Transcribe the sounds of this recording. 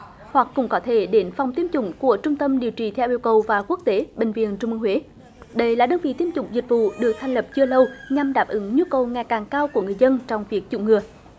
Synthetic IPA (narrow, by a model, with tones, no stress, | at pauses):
hwa˨˩k̚kʊ̰˧˥ŋ͡mkɔ˨˦t̪ʰe˧˩ɗe˨˦nfa˨˩wŋ͡mt̪i˧əmt͡ɕʊ̰˧˥ŋ͡mku˧˩ət͡ɕʊ˧ŋ͡mt̪ə˧mɗi˨˩əwt͡ɕi˨˩t̪ʰɛ˧wʔi˧əwkə˨˩wvaː˨˩ku˦˥k̚t̪e˨˦ɓï˨˩ŋ̟vḭ˨ənt͡ɕʊ˧ŋ͡mʔɨ̰˧hwe˨˦ | ɗə˧jlaː˨˩ɗəː˧nvḭ˧˨t̪i˧əmt͡ɕʊ̰˨˧˥ŋ͡mzï˨˩k̟̚vṵ˧˨ɗɨ˨˩ək̚t̪ʰŋlə˨˩p̚t͡ɕɨ˧ələ˧wɲa˧mɗaː˨˩p̚ʔɨ˨˦ŋɲu˧kə˨˩wŋa˨˩jkaː˨˩ŋkaː˧wku˧˩əŋɨ˨˩əjzə˧nt͡ɕɔ˧wŋ͡mvi˨˩ək̚t͡ɕʊ̰˧˨˥ŋ͡mŋɨ˨˩ə